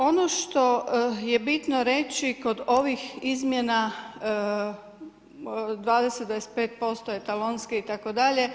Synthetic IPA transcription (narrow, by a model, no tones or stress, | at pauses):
o̞noʃt̪o̞jebit̪noɾe̞t͡ʃiko̞d̪oʋixizmjena | d̪ʋaːd̪eset̪d̪aese̥t̪peːt̪̚po̞st̪oet̪alonskeit̪akod̪aʎe̞